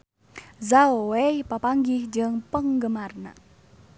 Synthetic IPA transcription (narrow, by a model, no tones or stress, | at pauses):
zaowepapaŋɡɪhd͡ʒəŋpəŋɡəmarna̰